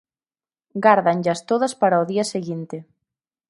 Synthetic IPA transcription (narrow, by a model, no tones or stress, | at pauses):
ɡaɾðaŋʎast̪oðaspaɾaoðiaseɣint̪ɪ